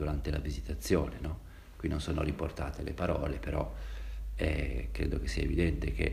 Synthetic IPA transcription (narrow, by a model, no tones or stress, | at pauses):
uɾant̪ela̰vizit̪at̪sːjoːnenɔ | kwinːonsoːno̰riport̪a̰ːt̪elepaɾɔːlepeɾɔ | ɛkɾḛːd̪ok̟esːiaevid̪ɛnt̪ek̟ḛ